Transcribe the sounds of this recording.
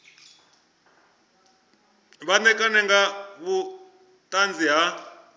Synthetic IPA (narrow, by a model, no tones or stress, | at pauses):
βanɛkʼanɛŋɡaβu | tʼand͡ziɦa